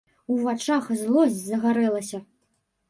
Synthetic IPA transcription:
uvat͡ʂaxzlˠɔsʲd͡zʲzɐɣaɾɛlˠɐsʲɐ

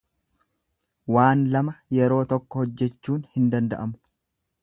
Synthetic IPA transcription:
waːnlɐmɐjɛɾo̞ːt̪ɔkːɔhɔd͡ʒːɛt͡ʃːuːnhɪnd̪ɐnd̪ɐ̰ʔɐmʊ

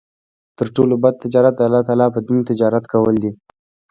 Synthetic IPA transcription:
t̪əɾʈolobad̪̚t̪ɪd͡ʒɑɾat̪̚d̪əalːɑt̪ɑːlɑpəd̪int̪ɪd͡ʒɑɾat̪kawəld̪i

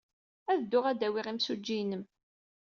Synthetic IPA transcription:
æðd̪ːʊʁæd̪æwiʁimsud͡ʒːinəm

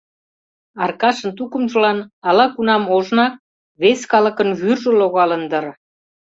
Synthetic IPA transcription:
ɑrkɑʃənt̪ukəmʒəlɑnɑlɑkunɑmoʒnɑk̚ | βeskɑlə̆kənβyrʒə̆loɣɑlənd̪ə̆r

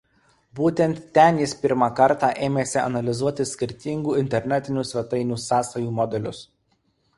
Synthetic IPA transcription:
buːt̪ʲɛnt̪ːʲɛnjɪspʲɪɾmɑkɐɾt̪ɑːˑʔeːmʲeːsʲɪɐ̰nɐlʲɪzuɔt̪ʲɪsʲkʲɪɾʲt̪ʲiŋɡuːɪnʲt̪ʲɛɾʲnʲɛt̪ʲɪnʲuːsʲʋʲɛt̪ɐɪnʲuːsɑːsɐjuːmɔd̪ʲɛlʲʊs

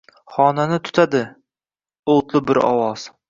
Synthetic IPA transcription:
χɒnanɪt̪ʰʊ̥t̪ʰad̪ɪ | olˠt̪lˠɪbɪɾɒ̰wɒz̥

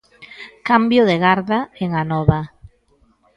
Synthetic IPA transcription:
kambjoðeɣaɾðaeŋanɔβa

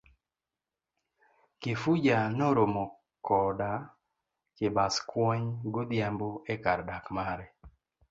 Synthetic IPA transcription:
kɪfud͡ʒanoɾomo | kɔda | kɪbaskwɔɲɡʊd̪jamboɛkaɾdakmaɾɛ

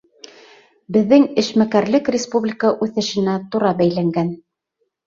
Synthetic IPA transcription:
bɘ̆ðːɘŋɘ̆ʃmækæɾlɘkrʲɪspublʲikəʔʉθɘ̆ʃɘ̆næt̪uɾɑbæjlæŋɡæn

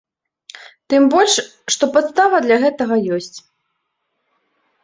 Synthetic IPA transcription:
t̪ɨmbɔlʲʂ | ʂt̪ɔpat̪st̪avɐd̪lʲɐɣɛt̪ɐɣɐjɔsʲt͡sʲ

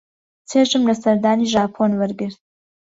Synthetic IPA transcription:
t͡sʰeːʒɨmlɐsɐɾd̪aːniʒaːpʰoːnwɨɾɡɨɾt̪̚

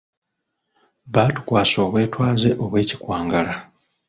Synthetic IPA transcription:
βaːtu̥kwaːso̞ːβwe̞ːtwaːze̞ʔo̞βwe̞ːci̥kwaːŋɡala

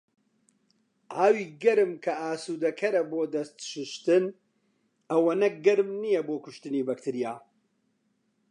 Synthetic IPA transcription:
ʔaːwiːɡɐɾɨmkʰɐaːsuːd̪ɐkʰɐɾɐboːd̪ɐst̪ʃɨʃt̪ɨn | ɐwɐnɐɡɨɾmnijɛboːkʊʃt̪ɨniːbɐk̚t̪ʰɨɾijaː

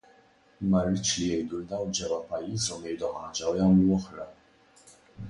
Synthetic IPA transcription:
mːɐrːɪt͡ʃːlijɛjd̪uld̪ɐwnd͡ʒɛwɐpɐjːiːzɔmjɛɾd̪uħɐːd͡ʒɐwjɐːmluɔħɾɐ

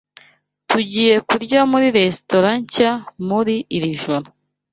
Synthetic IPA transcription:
tuɟiːje̞kuɾɟamuɾiɾe̞sto̞ɾaɲcamuɾiːɾiʒoɾu

